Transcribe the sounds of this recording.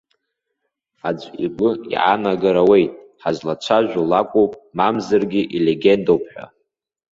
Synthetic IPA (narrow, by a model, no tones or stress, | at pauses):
ad͡ʒʷʼiɡʷʼʊḭʔa̰naɡaɾawe̞jtʼħazlat͡ʃʷʰaʒᶣʷulakʷʼowpʼmamzarɡʲiʔile̞ɡʲe̞ndowpʰħʷᶣa̰